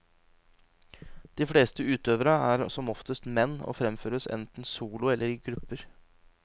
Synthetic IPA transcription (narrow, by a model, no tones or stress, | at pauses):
d̪̥iːfɽeːst̪əʉːt̪øːʋəɾəæːɾsɔmɔft̪əst̪mɛnːo̰ːfɾɛmføːɾəsɛ̰nt̪n̩suːlʊɛlːəɾiːɡɾʉpːəɾ